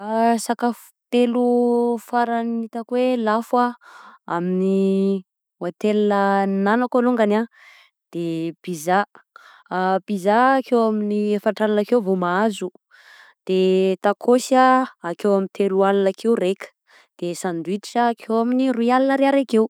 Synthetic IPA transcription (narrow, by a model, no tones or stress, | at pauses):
asakafu̥t̪elufaɾanit̪əkwelafaa̰mini | wat̪elinənanakaluŋɡana | d̪̥eb̥iza | b̥izakewaminiefaɳʈ͡ʂalnakewvomaazu | d̪̥et̪akʰosaakewamint̪ʰelualunakʰewɾekə̥ | d̪̥esand̪uit̪iʈ͡ʂakʰewaminiruialinəɾeaɾekew